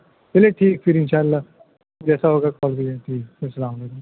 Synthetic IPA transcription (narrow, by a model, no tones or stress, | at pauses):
peːleʈʰiːkpʰɪɾɪ̃nʃaːlaː | d͡ʒɛːsaːɦoːɡaːkɔːld̪ieːʈʰiːkpɪsəlãːd̪eda